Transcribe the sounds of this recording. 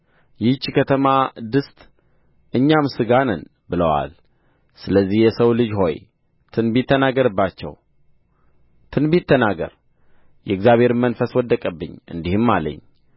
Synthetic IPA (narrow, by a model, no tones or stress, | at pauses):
jɪt͡ʃːkʰət̪ʰəmad̪ɨst̪ʼ | ʔɨɲːamsɨɡanən | bɨləwa̰l | sɨləzːihjɛsəwlɨd͡ʒho̞̰j | t̪ʰɨnbit̪ʰːənaɡəɾɨbːat͡ʃːɛ̰w | t̪ʰɨnbit̪ʰːənaɡə̰ɾ | jɛɨɡzjaβhe̞ɾmənfəswɔd̪ːəkʼəbːɨ̰ɲːɨ̰nd̪ihɨmːalə̰ɲː